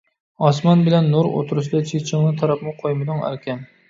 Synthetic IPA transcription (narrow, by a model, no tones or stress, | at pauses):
ɑsmɑnbɪlɛnːuɾo̰t̪ʰuɾuʃ̬d̪ɑt͡ʃʰet͡ʃʰɪŋnɨt̪ʰɑɾɑpmɨqʰojmɨd̪ɨŋæ̰ɾkʲʰɛn